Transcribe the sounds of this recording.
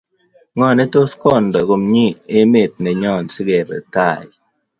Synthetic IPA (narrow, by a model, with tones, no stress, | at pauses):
ŋɔ˨ne˦to˦skɔ˦˨ndɔ˨ko˨mɲi˦e˦me˨t̚nɛ˨ɲɔ˦˨nsɪ˦ɡɛ˨bɛ̰˨ta˦˨jɪ˨